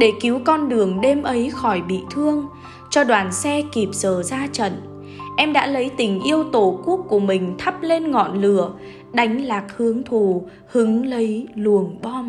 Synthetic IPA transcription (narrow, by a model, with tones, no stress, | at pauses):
ɗe˧˩ki˨˦əwkɔ˧nɗɨ˨˩əŋɗe˧mʔə˨˦jxɔ˧˩jɓḭ˧˨t̪ʰɨ˧əŋ | t͡ɕɔ˧ɗwaː˨˩nsɛ˧ki˨˩p̚z̥əː˧˩zaː˧t͡ɕə̰˧˨n | ʔɛ˧mɗa̰ː˧˥lə˨˦jt̪ï˨˩ŋ̟ʔi˧əwt̪o˧˩ku˦˥ək̚kːu˧˩əmï˨˩ŋ̟t̪ʰə˦˥p̚le˧nŋɔ̰˧˨nlɨ̰˧˩˨ə | ɗa˨˦jŋ̟laː˨˩k̚hɨ˨˦əŋt̪ʰu˨˩ | hɨ˨˦ŋlə˨˦jlu˨˩əŋɓɔ˧m